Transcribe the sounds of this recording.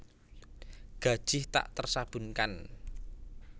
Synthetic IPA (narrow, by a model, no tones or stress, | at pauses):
ɡ̥a̤d̥ʒ̥ɪht̪a̰ʔt̪ərsab̥ṳnkan